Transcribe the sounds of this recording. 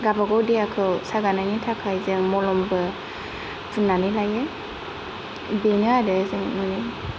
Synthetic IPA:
ɡabaɡɔwdiakʰɯwsaɡananitʰakʰajzɯŋmɔlɔmbɯ | zunːanɯlaje | benɯadɯzɯŋnuni

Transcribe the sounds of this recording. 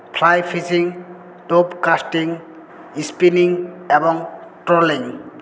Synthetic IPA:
pʰlajpʰisiŋ | topkasʈiŋ | ispiniŋebɔŋʈɾoliŋ

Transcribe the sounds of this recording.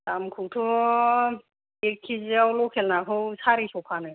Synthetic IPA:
tamkʰuwtʰɔ | ekʰːizawlɔkʰɛlnaɦʰɯwsaɾisɔkʰanɯ

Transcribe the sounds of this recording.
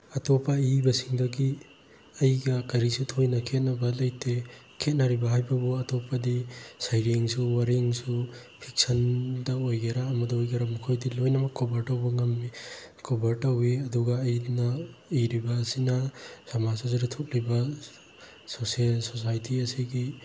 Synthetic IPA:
ɐtʰɔpʰaibɐsiŋdɐɡi | ɐjɡɐkɐɾisutʰojnɐkʰet̚nɐbɐlɐjtʰe | kʰet̚nɐɾibɐɦajbɐbuɐtʰɔpʰadisajɾeŋsuwaɾeŋsupʰik̚sɐndɐojɡeɾaːmɐdɐojɡeɾamukʰojdilojnɐmɐkːobɐɾtɐwbɐŋɐmːikʰobɐɾtɐwiɐduɡɐːjnɐiɾibɐːsinɐsɐmasozaɾitʰok̚libɐ | soselsosajtʰiɐsiɡi

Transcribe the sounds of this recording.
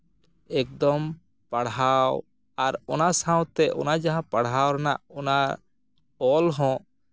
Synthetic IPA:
ɛk̚d̪ɔm | paɽɦaw | aɾɔnasãwt̪ɛʔɔ̰nad͡ʒaɦãpaɽɦawɾana̰ʔɔna | ɔlɦɔ̃

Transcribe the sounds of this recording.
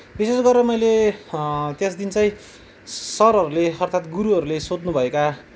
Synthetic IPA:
bisesɡʌrːʌmʌjle | t̪jesd̪int͡sʌj̃ | sʌɾɦʌɾuleʌrt̪ʰat̪ɡuɾuʌɾulesod̪nubʱʌeka

